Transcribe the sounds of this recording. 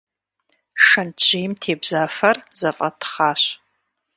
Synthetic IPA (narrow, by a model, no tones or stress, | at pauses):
ʂɐnt͡ʃejmtʰeːbzaːfɐrz̥ɐfʼɐtχaːɕ